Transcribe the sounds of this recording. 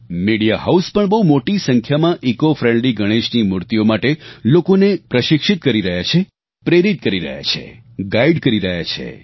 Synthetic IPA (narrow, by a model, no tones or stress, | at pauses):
miɽijaɦauspəɳbəɦumoʈisəŋkʰjamãʔikofɾẽɳɖliɡəɽ̃eʃnimʊɾt̪iomaʈelokonepɾəʃɪkʃɪt̪̚kəɾiɾəɦjat͡ʃʰe | pɾeɾit̪̚kəɾiɾə̰ɦja̰t͡ʃʰḛ | ɡaiɖkəɾiɾəɦja̰t͡ʃʰḛ